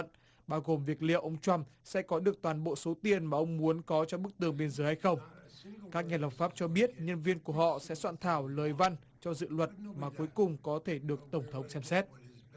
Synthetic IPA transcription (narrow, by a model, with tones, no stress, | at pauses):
n | ɓaː˧wɣo˨˩mvi˨˩ək̚lḭ˧˨əwʔə˧wŋ͡mt͡ɕwa˧msɛ̰˧˥kɔ˨˦ɗɨ˨˩ək̚t̪waː˨˩nɓo̰˧˨so˨˦t̪i˨˧˩ənmaː˨˩ʔə˧wŋ͡mmu˨˦ənkɔ˨˦t͡ɕɔ˧ɓɨ˦˥k̚t̪ɨ˨˩əŋɓe˧ənzəː˨˦jha˧jxə˧wŋ͡mkaː˦˥k̚ɲaː˨˩lə˨˩p̚faː˦˥p̚t͡ɕɔ˧ɓi˦˥ət̚ɲə˧nvi˧ənku˧˩əɦɔ̰˧˨sɛ̰˧˥swa̰ː˧˨nt̪ʰaː˧˩wləː˨˩jva˧n | t͡ɕɔ˧zɨ̰˧˨lwə˨˩t̚maː˨˩ku˨˦əjkʊ˨˩ŋ͡mkɔ˨˦t̪ʰe˧˩ɗɨ˨˩ək̚t̪ə˧˩wŋ͡mt̪ʰə˨˦wŋ͡msɛ˧msɛ˦˥t̚